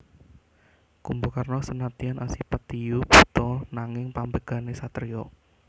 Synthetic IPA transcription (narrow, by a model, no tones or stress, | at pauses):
kumbukarnɔsənat̪ianʔasipat̪ijub̥ṳ̥t̪ɔnaŋɪŋpambəɡ̥a̤nesat̪ərijɔ